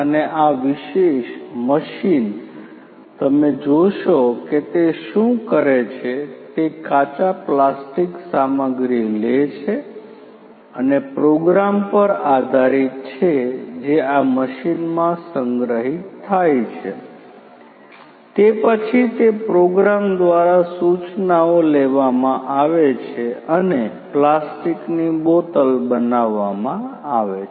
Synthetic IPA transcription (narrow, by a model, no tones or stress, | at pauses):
əneʔaʋiʃeʃməʃin | t̪əmed͡ʒoʃoket̪eʃũkəɾet͡ʃʰet̪ekat͡ʃaplasʈiksaməɡɾilet͡ʃʰe | ənepɾoɡɾampəɾad̪ʱaɾit̪t͡ʃʰed͡ʒeaməʃinmãsəŋɡɾəɦitʰːajt͡ʃʰḛ | t̪epət͡ʃʰit̪epɾoɡɾamd̪ʋaɾasut͡ʃnaoleʋamãʔaʋet͡ʃʰeəne | plasʈiknibot̪əlbənaʋːamãaʋe